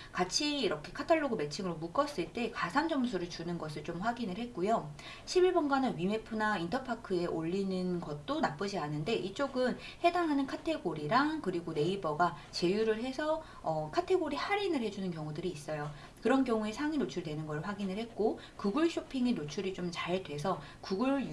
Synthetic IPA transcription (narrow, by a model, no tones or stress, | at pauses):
kat͡ɕʰiːɾʌkʰe̞kʰatʰaɭːoɡɯme̞t͡ɕʰiŋɯɾomuk͈ʌs͈ɯɭt͈e̞kasʰand͡ʑʌmsʰuɾɯɭt͡ɕunɯnɡʌs̬ʰɯɭt͡ɕomɸwaɡinɯɭhe̞t̚k͈ujo | ɕʰibiɭbʌnɡanɯɥime̞pʰɯnaintʰʌpʰakʰɯe̞ʔoʎːinɯnɡʌt̚t͈onap͈ɯd͡ʑianɯnde̞ʔit͡ɕ͈oɡɯn | he̞daŋɦanɯnkʰatʰe̞ɡoɾiɾaŋkɯɾiɡone̞ibʌɡa | t͡ɕe̞juɾɯɭɦe̞sʰʌ | ʌkʰatʰe̞ɡoɾihaɾinɯɭhe̞d͡ʑunɯnkjʌŋudɯɾiːs͈ʌjo | kɯɾʌnk̬jʌŋue̞sʰaŋinot͡ɕʰuɭdwe̞nɯnɡʌɭɸwaɡinɯɭhe̞t̚k͈o | kuɡɯɭɕ͈opʰiŋinot͡ɕʰuɾit͡ɕomt͡ɕaɭdwe̞sʰʌ | kuɡɯɭ